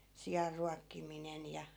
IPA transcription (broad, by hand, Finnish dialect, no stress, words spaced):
sijɑrːuɑkːiminen jɑ